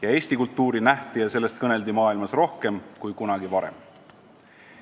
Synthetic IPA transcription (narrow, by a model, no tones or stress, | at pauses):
jɑe̞ːsʲt̪ikult̪ːˑuːɾinæht̪ijɑse̞lːe̞st̪̚kɤne̞ld̪imɑːilmɑsro̞hke̞mkujkunɑɡ̥ivɑɾḛm